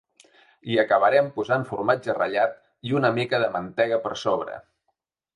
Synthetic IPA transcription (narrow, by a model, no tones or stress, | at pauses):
iəkəβəɾɛmpuzaɱfuɾmad͡ʒərə̰ʎat̪ | iunəmikəðəmənt̪ɛɣ̞əpə̰ɾsoβ̞ɾə̰